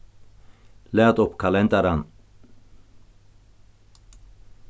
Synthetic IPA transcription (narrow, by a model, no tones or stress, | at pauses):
lɛːd̪ʊpːkʰalɛnd̪aɾan